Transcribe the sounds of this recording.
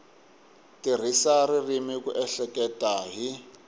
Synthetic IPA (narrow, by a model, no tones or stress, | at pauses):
tir̤isaririmikuʔɛɬɛkɛtʼaɦi